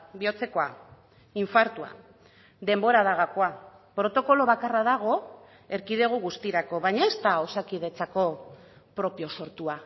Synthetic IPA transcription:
bio̞t͡se̞ko̞a | iɱfaɾt̪ua̰ | d̪e̞mbo̞ɾaðaɣakoa | pɾo̞t̪o̞ko̞lo̞β̞akaraðaɣ̞o̞ | e̞ɾkið̞eɣ̞uɣust̪iɾako̞βaɲae̞st̪aosakið̞e̞t͡sako̞ | pɾo̞pio̞so̞ɾt̪ua

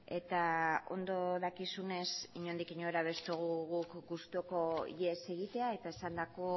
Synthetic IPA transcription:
e̞t̪ao̞̰nd̪o̞ðakisune̞siɲo̞nd̪ikiɲo̞eɾaβ̞e̞st̪oɣ̞uɣukɡust̪uoko̞ʎese̞ɣ̞it̪e̞ae̞t̪ae̞sand̪ako̞

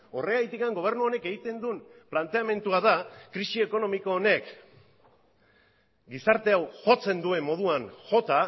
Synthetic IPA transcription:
o̞̰re̞ajt̪ikaŋɡo̞β̞e̞ɾnuo̞ne̞ke̞ɣit̪e̞nd̪umplant̪e̞ame̞nt̪uaðakɾisie̞ko̞no̞miko̞ːne̞k | ɡisaɾt̪e̞awʝo̞t͡se̞nd̪ue̞mːo̞ð̞uaŋʝo̞t̪a

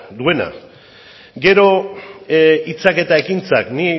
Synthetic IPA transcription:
d̪ue̞na̰ | ɡe̞ɾo̞ | it͡sake̞t̪ae̞kint͡sa̰kni

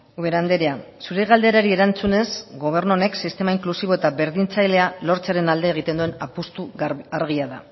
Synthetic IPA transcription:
uβe̞ɾand̪e̞ɾeasuɾeɣald̪e̞ɾaɾie̞ɾant͡sune̞sɡo̞β̞e̞ɾnuo̞ne̞ksist̪e̞maiŋklusiβ̞o̞e̞t̪aβe̞ɾðint͡sajle̞alo̞ɾt͡seaɾe̞nald̪e̞ːɣ̞it̪e̞nd̪ue̞napust̪uaɾɣ̞iaða̰

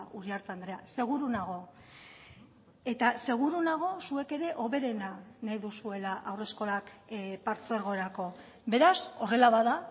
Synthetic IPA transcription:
ʔuɾiaɾt̪and̪ɾe̞ase̞ɣ̞uɾunaɣ̞o̞ | e̞t̪ase̞ɣ̞uɾunaɣ̞o̞sue̞ke̞ɾe̞ʔo̞βe̞ɾe̞nanajðusue̞laʔawre̞sko̞lakpaɾt͡soeɾɣo̞eɾako̞ | be̞ɾaso̞re̞laβaða

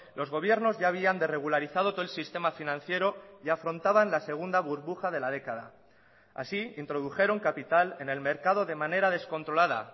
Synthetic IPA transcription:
lo̞zɣ̞o̞β̞je̞ɾno̞zʝaːβ̞iand̪e̞re̞ɣ̞ulaɾiθað̞ot̪oelsist̪e̞mafinãn̟θje̞ɾo̞iafɾo̞nt̪aβanlaseɣ̞und̪aβuɾβuxað̞e̞lað̞e̞kaða̰ | a̰siint̪ɾo̞ð̞uxe̞ɾoŋkapit̪ale̞ne̞lme̞ɾkað̞o̞ðe̞mane̞ɾað̞e̞sko̞nt̪ɾo̞lað̞a̰

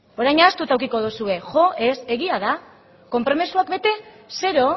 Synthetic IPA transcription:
o̞ɾajɲast̪ut̪awkiko̞ðusue̞ʝo̞ʔe̞se̞ɣiaða | ko̞mpɾo̞misuakbe̞t̪e̞ | se̞ɾo

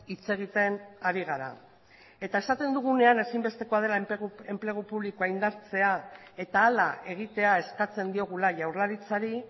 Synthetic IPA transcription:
it͡se̞ɣ̞it̪e̞naɾiɣaɾa̰ | e̞t̪ae̞sat̪e̞nd̪uɣ̞une̞ane̞simbe̞st̪e̞ko̞að̞e̞laɣe̞mple̞ɣ̞upuβlikoaind̪aɾt͡se̞a | e̞t̪aːlae̞ɣ̞it̪e̞ae̞skat͡se̞nd̪io̞ɣ̞ulaʝawɾlaɾit͡saɾi

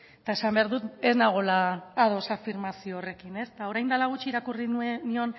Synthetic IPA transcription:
et̪ae̞sambe̞aɾðut̪e̞znaɣ̞o̞laːð̞o̞safiɾmasio̞ːre̞kine̞st̪ao̞ɾajnd̪alaɣ̞ut͡ʃiːɾakurinio̞n

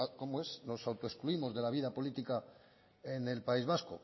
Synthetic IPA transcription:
ko̞moe̞sno̞sawt̪oe̞skluimo̞zðe̞laβ̞iðapo̞lit̪ika | ene̞lpaizβ̞asko̰

